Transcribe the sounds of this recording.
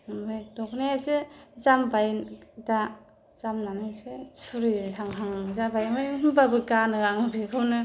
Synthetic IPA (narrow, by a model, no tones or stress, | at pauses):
ɯmbajdɔknaasezambajda | z̥amnanasesuɾihaŋɦaŋmɯzabajmɯjɦɯmbabɯkanɯaŋɯbʰekʰɯwnɯ